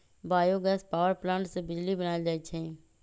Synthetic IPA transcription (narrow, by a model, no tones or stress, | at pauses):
baːjoːɡəspaːʋəɾplãːɳʈsebɪd͡ʒliːbənaːed͡ʒaːit͡ʃʰẽː